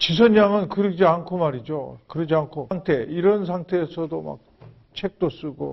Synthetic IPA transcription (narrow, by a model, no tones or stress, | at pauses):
t͡ɕis̬ʰʌnjaŋɯnkɯɾɯd͡ʑiankʰomaɾid͡ʑo̰kɯɾʌd͡ʑiankʰoŋtʰe̞iɾʌns̬ʰaŋtʰe̞ːsʰʌdoma̰k̚ | t͡ɕʰe̞k̚t͈os͈ɯɡo̰